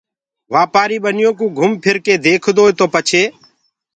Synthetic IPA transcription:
ʋaːpaːɾiːɓənɪjõːk̬ũːɡʱʊmpʰɪɾkeːd̪eːkʰd̪oːeːt̪oːpət͡ʃʰeː

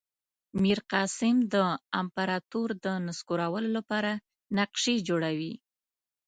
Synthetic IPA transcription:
miɾqɑsɪmd̪əampaɾɑt̪oɾd̪ənaskoɾawəlolapɑɾa | naqʃed͡ʒoɽawi

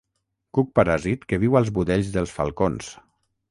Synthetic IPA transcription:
kuk̚paɾazit̪keβ̞iwalˠzβuðɛʎzðəlˠsfa̰lˠkons

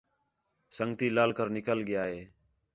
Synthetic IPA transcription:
səŋɡt̪iːlaːlkəɾnɪkəlɠɪjaːɦeː

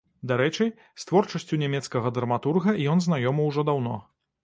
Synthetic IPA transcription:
d̪aɾɛt͡ʂɨj | st̪vɔrt͡ʂɐsʲt͡sʲunʲamʲɛt̪skɐɣɐd̪ɾɐmat̪urɣɐijɔnznajɔmɐwʐɔd̪awnɔ̰

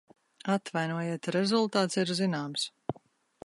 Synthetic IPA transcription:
at̪vajnuɔjeɛt̪ɾɛzulˠt̪aːt̪siɾzinaːms

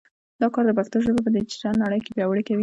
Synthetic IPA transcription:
d̪ɑkɑɾd̪əpaxt̪oʒəbepəd̪et͡ʃeɾanːaɽəjkebjɑwaɽekawi

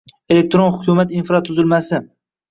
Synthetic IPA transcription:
e̞le̞k̚t̪ɾonhʊkʲʰumat̪infɾat̪ʰʊzɪlmasɪ

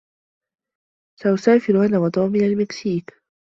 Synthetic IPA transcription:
saʔʊsaːfɪɾʊanawɑt̪ˤɑːmɪnalmɪksiːk

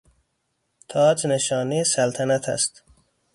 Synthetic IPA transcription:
t̪ʰɒːd͡ʒneʃɒːnejesælt̪ʰænæt̪ʰæ̰st̪

